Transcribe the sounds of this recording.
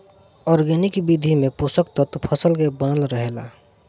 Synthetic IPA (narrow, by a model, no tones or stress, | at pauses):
ɔɾɡenɪkbid̪ʱimepusək̚t̪ɔt̪pʰəsəlkebənəlɾəɦela̰